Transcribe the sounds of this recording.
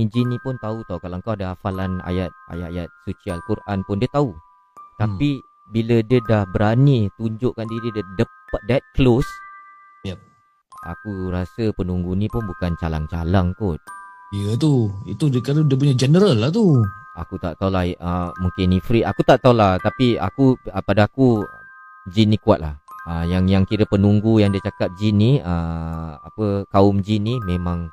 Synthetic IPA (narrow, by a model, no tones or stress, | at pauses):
id͡ʒinĩpʊnt̪aut̪aukalaŋkawadaafalana̰jat̪̚a̰jaajat̪̚sosialkurʔanpʊndiət̪au | t̪api | bilədiədahbəɾanit̪uɲd͡ʒʊʔkandiɾidədə | at̪̚dɛt̪̚klos | jap̚ | ʔa̰kuɾasəpənuŋɡunĩpʊnbukant͡ʃala̰ŋt͡ʃalaŋkʊt̪̚iət̪uḭt̪udikaɾədiəp̬uɲad͡ʒɛnəɾəlːaht̪ua̰kut̪a̰ʔt̪aulahʔəmuŋkɪnːifɾiʔakut̪aʔt̪aulaht̪apia̰kuəpadaːku | d͡ʒinːikuat̪̚la̰həjaŋjaŋkiɾəpənuŋɡujaŋdiat͡ʃakap̚d͡ʒiniəapəkaʊmd͡ʒinimẽmãŋ